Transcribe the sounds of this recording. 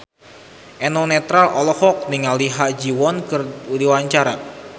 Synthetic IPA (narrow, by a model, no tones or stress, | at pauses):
ʔɛnɔnɛt̪ɾalɔlɔhɔk̚niŋaliɦaʔd͡ʒiwɔnkɨruliwaɲt͡ʃaɾa